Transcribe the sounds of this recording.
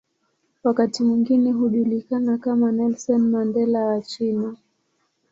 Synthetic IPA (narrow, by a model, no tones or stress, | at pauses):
wakatimwiŋɡinɛɦuʄulikanakamanɛlsɔnmandɛlawat͡ʃina